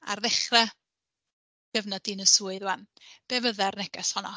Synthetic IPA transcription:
a̰rðɛχrɛ | ɡ̥əvnɔdinəsuːɨðwanb̥evəðɛrnɛɡɛshɔnɔ

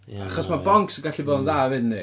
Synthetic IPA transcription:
aχɔsmabɔŋksəɡaɬiboːdənðaːvedni

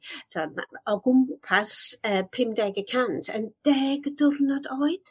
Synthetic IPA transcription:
tʰɔdma̰ɔɡʊmpʰasəːpʰɪmdɛːɡəkʰantʰə̰nd̥ɛːɡəd̥ʊrnɔdoːɨd̥

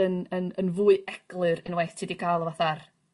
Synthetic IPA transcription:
ənənənvuːɨɛɡ̥lˠɨɾɨnwejθtʰiːdikʰajlˠəvaθar

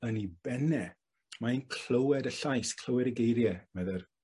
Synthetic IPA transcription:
ənibɛnɛ | mainkʰl̥əwɛdəɬajskʰl̥ˠəwɛɾəɡejɾjɛmɛðɛr

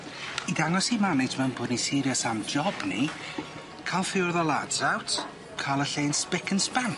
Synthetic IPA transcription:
idaŋɔsimanɪtʰmɛwnbʊːdnisɪɾjɔsamd͡ʒɔbnḭ | kʰalˠfɪʊrðɔlˠadzawtʰ | kʰalˠəɬeːnspɪkʰənspan

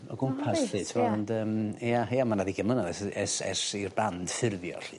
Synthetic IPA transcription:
ɔɡʊmpʰasɬɨtʰɪvɔɔndəːmajamanaðiɡəmlˠənaðɛsɛsɛ̰sirband̥fɪrðjɔ̰ɬɨ̰ː

